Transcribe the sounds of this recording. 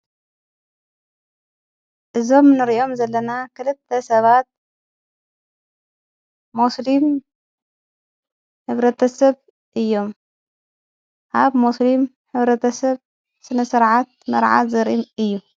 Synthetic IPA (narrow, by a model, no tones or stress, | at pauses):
ʔɨzo̞mnɨɾiʔo̞mzɐlːɐnakʰɨlɨt̪ʰːɐsɐβat̪̚ | muslim | ħɨβɾɐt̪ʰɐsɐβ | ʔɨjːo̞m | ʔaβmuslim | ħɨβɾɐt̪ʰɐsɐβ | sɨnɐsɨɾʕat̪̚mɐɾʕa̰zɨɾimɨjːu